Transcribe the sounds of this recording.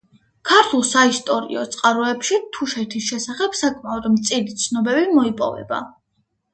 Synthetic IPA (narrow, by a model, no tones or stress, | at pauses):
kʰaɾt̪ʰulˠsaist̪ʼɔɾḭɔ̰t̪sʼqʼaɾɔɛpʃit̪ʰuʃɛt̪ʰisʃɛsaχɛb̥sakʼmaɔd̪mt̪sʼilit̪sʰnɔbɛbimɔipʼɔ̰vɛ̰ba̰